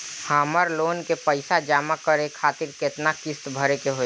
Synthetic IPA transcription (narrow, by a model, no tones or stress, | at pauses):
haːməɾloːnkepəɪsad͡ʒaːmakəɾekʰaːt̪ɪɾket̪nakɪst̪bʱəɾekeɦoː